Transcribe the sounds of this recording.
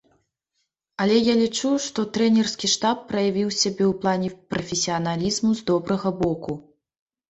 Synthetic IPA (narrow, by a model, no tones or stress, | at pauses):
ɐlʲɛjalʲit͡ʂuʂt̪ɔt̪ɾɛnʲɛrskʲiʂt̪apːɾɐjavʲiwsʲabʲɛwplˠanʲɛpɾɐfʲesʲiɐnalʲizmuzd̪ɔbɾɐɣɐbɔku